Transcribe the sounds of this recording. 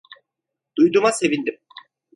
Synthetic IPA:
d̪̥ujd̪umase̞vind̪im

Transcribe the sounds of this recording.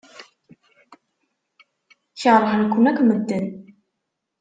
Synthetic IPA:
çəɾˤħnkʷːʊnækʷːməd̪ːən

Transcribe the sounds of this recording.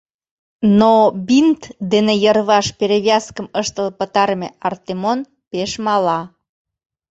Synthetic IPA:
nobint̪d̪enejərβɑʃpeɾeβjɑskəməʃt̪əlpət̪ɑɾəmeɑrt̪emon | peʃmɑlɑ

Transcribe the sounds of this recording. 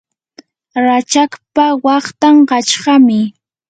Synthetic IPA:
ɾat͡ʃakpawɑχt̪amɢɑt͡ʃɢɑmɪ

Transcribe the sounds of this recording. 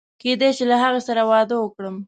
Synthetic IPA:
ked̪eʃilaɦaɣasaɾawɑd̪əwəkɽəm

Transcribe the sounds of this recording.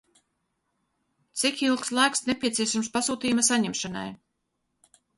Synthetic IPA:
t̪sikilˠkslˠaːksnepʲiɛt̪siɛʃamspasuːt̪iːjmasaɲɛmʃana̰j

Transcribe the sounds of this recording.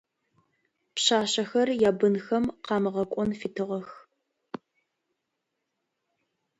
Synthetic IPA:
pɕaːɕɐxɐrjaːbɨnxɐmqɑːmɨʁɐkʷʼɔnfitʰɨʁɐx

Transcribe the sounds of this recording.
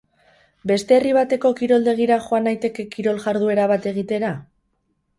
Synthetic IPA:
be̞st̪e̞ːriβ̞at̪e̞ko̞kiɾo̞ld̪e̞ɣ̞iɾaʝo̞anajt̪e̞ke̞kiɾo̞lʝaɾð̞ue̞ɾaβat̪e̞ɣ̞it̪e̞ɾa

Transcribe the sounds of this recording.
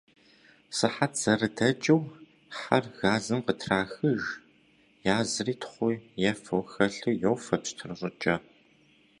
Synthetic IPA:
sɨħatz̥ɐrɨdɐt͡ʃʼɐw | ħarɣaːzɨmqətʰraːxɨʒ | jaːzɨriːtʰχʷʊjɛfowxɐɬɨjowfɐpstʰɨrɨɕʼɪt͡ʃʼɐ

